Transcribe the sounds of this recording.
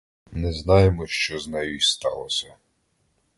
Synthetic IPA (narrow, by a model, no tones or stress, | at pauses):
nɛznɑjemɔʃt͡ʃɔznajujst̪ɑ̰lˠɔsʲɐ